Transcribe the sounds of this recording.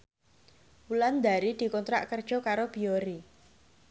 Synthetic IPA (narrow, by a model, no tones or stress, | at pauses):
uland̪a̤ɾid̪̥i̤kɔnt̪ɾa̰ʔkərd̥ʒ̥ɔ̤kaɾob̥ioɾi